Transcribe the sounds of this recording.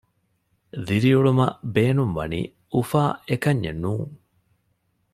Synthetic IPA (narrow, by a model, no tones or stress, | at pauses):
ðiɾiuɭumɐ̰beːnumʋɐ̰nḭː | ufaːekɐɲːḛnuːŋ